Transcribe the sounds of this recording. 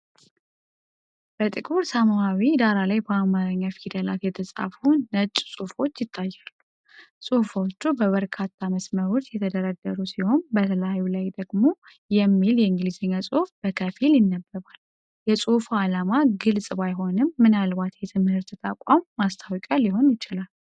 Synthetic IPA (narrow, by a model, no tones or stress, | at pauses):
b̥ət̪ʼɨkʼuɾsamawid̪aɾalajbəamaɾəɲːafid̪əlat̪jɛt̪ʰəsʼa̰funət͡ʃʼu̥sʼufo̞t͡ʃːjɪt̪ʰːajːalːu | sʼuhfo̞t͡ʃːubəβəɾkʰat̪ʰːaməsməɾo̞t͡ʃːjɛt̪ʰəd̪əɾəd̪ːəɾusiho̞nbət̪ʰələjajːulajd̪əɡmo̞ | jɛmːiljɛɨŋɡlizəɲːasʼuhfb̥əkʰəfiljɪnːəbːəβal | jɛsʼufualamaɡɨlsʼbajɦo̞nɨmːɨnalbat̪jɛt̪ʰɨmhɨɾt̪ʰt̪ʰakʷʼamːast̪ʰawkʼaliɦo̞njɪt͡ʃɪlal